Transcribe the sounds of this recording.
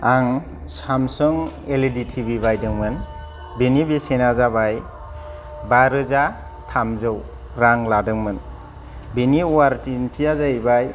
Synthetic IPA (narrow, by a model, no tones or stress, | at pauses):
aŋ | samsɔŋeleditʰibibajdɯŋmɯn | binibesenazabaj | baɾɯza | tʰamzɯw | ɾaŋladɯŋmɯn | biniuwaɾtintʰiazajbaj